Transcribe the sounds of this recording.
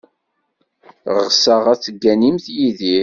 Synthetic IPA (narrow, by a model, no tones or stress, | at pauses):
ʁʁsəʁæt͡sːəɡːænimθjiði